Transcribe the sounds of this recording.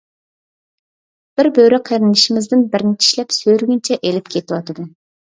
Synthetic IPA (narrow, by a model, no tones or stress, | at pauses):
b̥ɪɾbøɾɪqʰəɾɪnɨʃimɪzd̪ɪnbɪɾnɪt͡ʃʰi̥ʃlɛpsøjɾɡʲynt͡ʃʰɛʔelɪpkʲʰet̪ʰɪwɑt̪ʰɨd̪u